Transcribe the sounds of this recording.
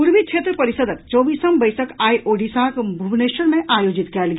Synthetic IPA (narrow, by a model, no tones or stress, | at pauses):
uɾmit͡ʃʰet̪ɾəpəɾisəd̪ək̚t͡ʃɔbisəmbəjsəkajʔoɖisãkbʱubneʃəɾmeʔajod͡ʒit̪kɛlɡ